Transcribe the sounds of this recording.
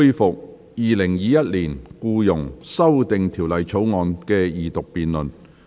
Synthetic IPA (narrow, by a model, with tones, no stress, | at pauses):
jfʊ˨k̚ | jiː˨lɪ˨˩ŋjiː˨˧jɐ˥t̚liː˨˩nkuː˧jʊ˨˩ŋsɐ˥wt̪ɪ˨ŋt̪ʰi˨˩wlɐ˨jt͡sʰo˨˥wŋɔː˨˧nkɛː˧jiː˨˩t̪ʊ˨k̚piː˨nlɵ˨˩n